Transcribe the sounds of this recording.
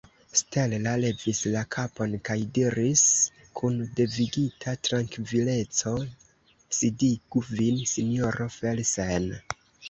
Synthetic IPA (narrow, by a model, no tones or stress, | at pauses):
ste̞llale̞vislakʰapo̞nkajdiɾis | kʰunde̞viɡitʰatɾaŋkvile̞t͡so̞ | sidiɡuvinsinio̞ɾo̞felsen